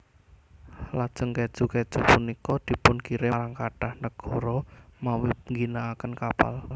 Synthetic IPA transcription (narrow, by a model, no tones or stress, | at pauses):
lad̥ʒ̥ə̤ŋkɛd̥ʒ̥ṳkɛd̥ʒ̥ṳpunikɔd̪̥i̤pʊnkiɾeɾaŋkaɖ̥ahnəɡ̥ɔ̤ɾɔmawiŋɡinaːkənkapa̰l